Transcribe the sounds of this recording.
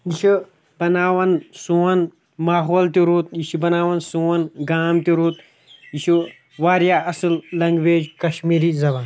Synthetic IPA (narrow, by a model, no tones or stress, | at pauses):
jiʃʰi | bɐnaːʋɐnsuːɐn | maːɦoːlt̪iɾuːt̪̚jiʃibɐnaːʋɐnsuɐnɡaːmt̪iɾuːt̪̚ | jiʃʰi | ʋaːɾjaːɐsɨlːɐŋɡʋeːd͡ʒkɐʃmiːɾizɐbaːn